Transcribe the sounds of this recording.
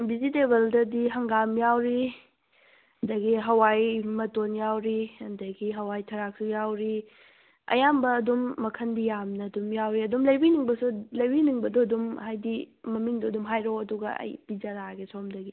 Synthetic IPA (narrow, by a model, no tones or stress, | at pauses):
bizidebɐldɐdiɦɐŋɡamjawɾi | ɐndɐɡiɦɐwajmɐtonjawɾiɐndɐɡiɦɐwajtʰɐɾak̚sujawɾi | ɐ̰jambɐːdumːɐkʰɐndijamnɐːdumjawɾiɐdumlɐjbiniŋbɐsulɐjbiniŋbɐdoɐdumhajdimɐmiŋdoɐdumɦajɾoɐduɡɐ̰ɐ̰jpid͡ʒɐɾaɡesomdɐɡi